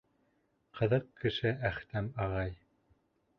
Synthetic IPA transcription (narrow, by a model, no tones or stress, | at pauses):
qʰɤ̆ðɤqkːɘ̆ʃɘæχt̪æmɑʁɑj